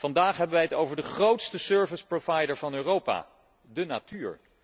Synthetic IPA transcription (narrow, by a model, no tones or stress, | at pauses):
vɑndaːχɦɛbəʋɛjɦətowvəɹdəχrowtstəsøːɹvəsprovɑjdəɹvɑnøːrowpa̰ː | dəna̰tyːɹ